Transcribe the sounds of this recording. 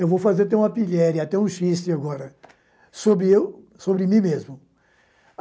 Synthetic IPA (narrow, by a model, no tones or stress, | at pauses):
ewvowfazeɾt̪ẽũmɐpiʎɛɾiat̪ɛũʃist͡ʃɪaɡɔɾɐ | sobɾɪew | sobɾɪmĩmezmʊ